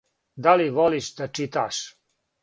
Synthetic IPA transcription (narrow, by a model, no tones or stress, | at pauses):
d̪aliʋoliʃd̪at͡ʃit̪a̰ʃ